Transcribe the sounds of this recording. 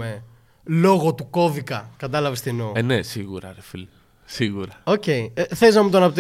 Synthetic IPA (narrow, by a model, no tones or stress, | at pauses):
e | lo̞ɣo̞t̪uko̞vikɐkɐt̪ɐlɐvest̪inoenesiɣuɾɐ̰ɾefili | siɣuɾɐo̞ce̞iθeliznɐmut̪oɐnɐpot̪